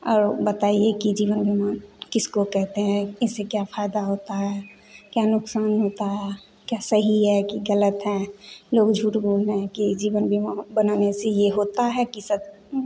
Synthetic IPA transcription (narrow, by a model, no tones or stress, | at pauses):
ɔːɾbət̪aːiekid͡ʒiːʋənbʱimaːnkɪskokɛɦt̪eɦɛ̃ɪsːekjapʰaːɪd̪aɦoːt̪aɦɛ | kjanʊksaːnɦoːt̪aɦɛ | kjasəɦiɦɛkiɡələt̪ɦɛ̃loːɡd͡ʒʱuːʈboːlneɦɛ̃kid͡ʒiːʋənbʱimabənanesejeɦoːt̪aɦɛkisə